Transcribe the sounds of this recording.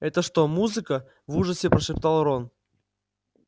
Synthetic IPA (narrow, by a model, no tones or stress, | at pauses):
ɛt̪əʂt̪omuzɨkə | vuʐəsʲɪpɾəʂɨpt̪alˠɾon